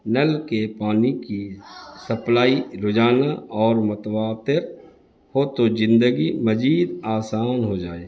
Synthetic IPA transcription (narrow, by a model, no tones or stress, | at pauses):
nəlkepaːnikisɐplaːiɾʊd͡ʒaːnaɔːɾmʊt̪waːt̪ɪɾ | hot̪od͡ʒɪ̃nd̪əɡiməd͡ʒiːd̪aːsaːnɦod͡ʒaːeː